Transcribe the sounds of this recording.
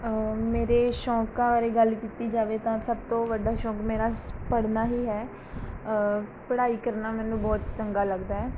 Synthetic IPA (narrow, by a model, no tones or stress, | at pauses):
meːɾeːʃɔ̃ːkãːʋaːɾeːɡəlkiːt̪iːd͡ʒaːʋeːt̪ãːsəb̚t̪õːʋəɖaːʃɔ̃ːkmeːɾaːpəɽnaːɦiːɦɛː | pəɽaːiːkəɾnaːmɛːnũːbɔːt̪t͡ʃəŋɡaːləɡd̪aːɦɛː